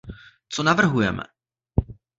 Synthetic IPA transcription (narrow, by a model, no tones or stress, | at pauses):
t͡sonavr̩ɦujɛmɛ̰